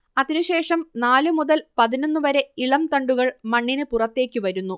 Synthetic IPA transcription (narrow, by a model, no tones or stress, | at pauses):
ɐðinuɕe̞ːʂɐmnaːlɨmuðɐlpɐðino̞nːuʋɐɾe̞iɭɐmt̪ɐɳɖuɣɐɭmɐɳːinɨpurɐt̪ːe̞ːkʲːɨʋɐɾunːu